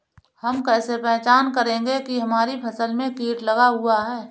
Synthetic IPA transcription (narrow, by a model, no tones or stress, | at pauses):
hɐmkɛːsepɛɦt͡ʃaːnkəɾẽːŋɡekiɦɐmaːɾipʰɐsəlmẽkiːʈlɐɡaɦʊaɦɛː